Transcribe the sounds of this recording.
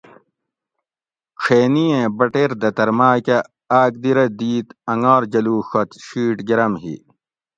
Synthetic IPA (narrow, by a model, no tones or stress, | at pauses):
ʈ͡ʂʰeːnijẽːbɐʈeːɾd̪ɐt̪ɐɾmaːkɐ | aːk̚d̪iɾɐd̪iːt̪ɐŋaːɾd͡ʑɐluːɕɐt̪ɕiːʈɡiɾɐmɦḭ